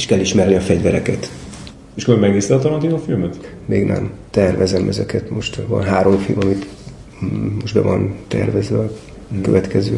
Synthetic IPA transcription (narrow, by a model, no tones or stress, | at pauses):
eːʃkɛlːiʃmɛrniɒfɛɟvɛɾɛkɛt̪ | eʃkøømɛɡneːst̪ɛːt̪ɒɾɒnt̪iːnɒfilmɛt̪ | meːɡnʔɛ̰mt̪ɛrvɛzɛmʔɛzɛkɛt̪mo̞ʃt̪vɒ̰nɦaːɾo̞mfilmɒmit̪ | mːoʒbɛ̰vɒnt̪ɛ̰rvɛzʋɛɒ | køvɛt̪kɛzøː